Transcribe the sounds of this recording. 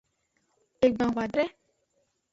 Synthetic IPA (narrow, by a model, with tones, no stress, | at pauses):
e˨ɡ͡bã˨wa˨dɾɛ˦